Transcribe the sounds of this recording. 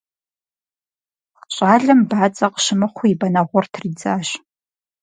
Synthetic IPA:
ɕʷʼaːɮɨmbaːt͡sʼɐqʃɪmɨχʷʊibɐnɐʁʷʊrtʰriːd͡zaːɕ

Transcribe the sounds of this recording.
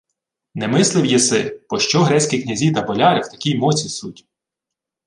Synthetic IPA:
nɛmɪslˠɪwjɛsɪb̥ɔʃt͡ʃɔɦɾɛt͡sʲkʲiknʲɐzʲit̪ɐbɔlʲɑɾɪwt̪ɐkʲijmɔt͡sʲisutʲ

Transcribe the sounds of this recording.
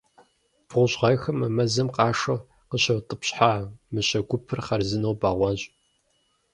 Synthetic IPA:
b̥ʰʁʷʊɕʁɐjxɐmɨmɐzɐmqɑːʂɐw | qəɕɐwtʼəpɕħaːmɨɕɐɡʷʊpʰɨrχɐrzɨnɐwbaːʁʷɑɕʼ

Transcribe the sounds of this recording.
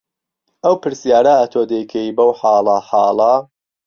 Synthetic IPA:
ɐwpɨɾsijaːɾɐʔɐt̪ʰoːd̪ejkʰɐjibɐwħɑːlˠɐħɑːlˠɐ

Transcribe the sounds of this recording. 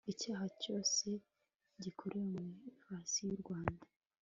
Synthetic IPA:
icaːɦaco̞ːse̞ | ɟikʰoɾemeifasijuɾɡwaːnda

